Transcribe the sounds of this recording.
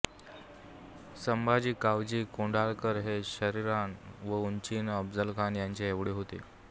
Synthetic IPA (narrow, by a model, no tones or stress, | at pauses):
səmbad͡ʑiːkaʋd͡ʑiːkoɳɖalkəɾɦeɕəɾiɾanʋəunt͡ɕinəbd͡zəlkʰanjaɲt͡ɕeeʋɽeɦot̪ḛ